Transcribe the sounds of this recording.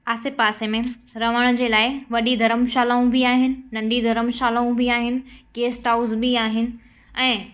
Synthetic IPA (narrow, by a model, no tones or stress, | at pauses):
aːsɪpaːsemẽɾɐʋəɽ̃d͡ʑeːlaːɪʋɐɗid̪ʱɐɾəmʃaːlaːũbiaːɦɪnɪ̆nɐ̃ɳɖid̪ʱɐɾəmʃaːlaːũbiaːɦɪnɪ̆keːsʈaːʊzbiaːɦɪnɪ̆ | ɛ̃ː